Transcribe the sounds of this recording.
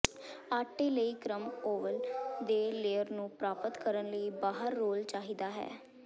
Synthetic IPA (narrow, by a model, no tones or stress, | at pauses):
aːʈːiːləiːkɾəmoːʋəld̪eːleːəɾnũːpɾaːpət̪kəɾənləiːbaːɦəɾːoːlt͡ʃaːɦiːd̪aːɦɛ̰ː